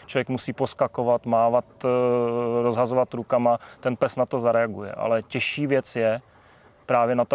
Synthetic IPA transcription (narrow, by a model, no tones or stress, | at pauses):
t͡ʃovjɛkmusiːposkakovat̪maːvat̪ | ɾozɦazovat̪ɾukamat̪ɛnpɛsnat̪o̞zaɾɛaɡṵjɛ̰ʔa̰lɛcɛʃiːvjɛt͡sjɛ | pɾaːvjɛnat̪o